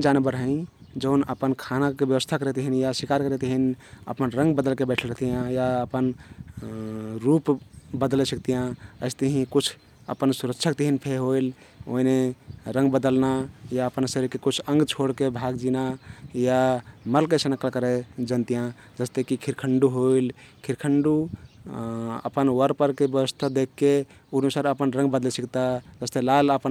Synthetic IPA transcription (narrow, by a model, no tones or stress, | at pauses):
d͡ʒanebəɾɦə̃ĩ | d͡ʒəʊnəpənkʰanakebjəʋəst̪ʰakəɾɛt̪ɦinjasikaɾkəɾɛt̪ɦinə̰pənɾə̃ŋɡbəd̪əlkebɛʈʰələt̪ijãjaəpən | ɾupbəd̪lɛsək̚t̪ijãəɪst̪əɦĩkut͡ʃʰ | ə̰pənsuɾəkt͡ʃʰakt̪əɦinpʰeɦoil | o̰ineɾə̃ŋɡbəd̪əlnajaəpənsəɾkekut͡ʃʰə̃ŋɡt͡ʃʰoɽkebʱaɡd͡ʒinajaməlkesənəkəlkəɾed͡ʒənt̪ijã | d͡ʒəst̪ekikʰiɾkʰəɳɖuɦoilkʰiɾkʰəɳɖu | ə̰pənwəɾpəɾkebjəʋəst̪ʰad̪ekʰːe | unusaɾəpənɾə̃ŋɡbəd̪lɛsəkt̪ad͡ʒəst̪elaləpən